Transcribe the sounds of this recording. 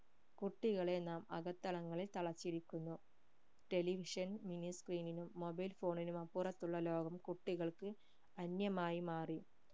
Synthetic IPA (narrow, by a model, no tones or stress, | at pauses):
kuʈːiɣɐɭenaːmɐ̰ɣɐt̪ːɐɭɐŋːɐɭilt̪ɐɭɐt͡ɕːiɽikʲːunːu | ʈe̞liʋiʂɐnminiskriːninumːo̞bɐjlfo̞ːɳinumɐpːurɐt̪ːuɭːɐlo̞ːɡɐmkuʈːiɣɐɭkɨ | ɐnjɐmaːjimaːri